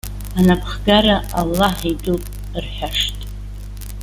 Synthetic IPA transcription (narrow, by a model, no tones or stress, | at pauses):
anapʰχɡaraʔalːaħidʼupʼ | rħᶣaʂtʼ